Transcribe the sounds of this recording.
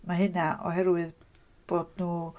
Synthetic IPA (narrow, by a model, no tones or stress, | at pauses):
maɦɨnaʔɔ̰ɦɛɾwɨð | b̥oːdnuː